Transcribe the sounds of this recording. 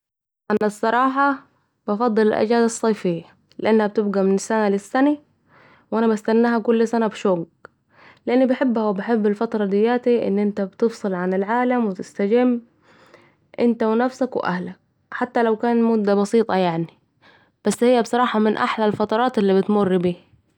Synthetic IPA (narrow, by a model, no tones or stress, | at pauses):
ʔanːasˤːɑɾˤɑːħɑ | b̥ɑfɑd̪ˤːɨlɪlʔa̰d͡ʒaːd̪ɑsˤːɑjfɪjːa | lɪʔanːhab̚t̪ɪb̚ɡamɪnɪsːanalɪsːana | wʔanabast̪anːaɦakʊlːsanabʃoːɡ | lɪʔanːibɪħɪbːhawɪbɪħɪbːɪlfɑt̪ɾˤɑd̪ɪjːaːt̪iʔɪ̰nːʔɪnt̪abt̪ɨfsˤɨlʕanɪlʕaːlamwɪt̪ɪst̪ad͡ʒɪmː | ʔɪnt̪awɪnafsakwɪ̰ʔa̰hlak̚ | ħat̪ːalawkaːnmʊd̪ːabɑsiːt̪ˤɑjaʕni | b̥asːhɪjːabsˤɑɾˤɑːħɑmɪnʔaħlalfɑt̪ˤɑɾˤɑːt̪ɪlːibɪt̪mʊrːbiː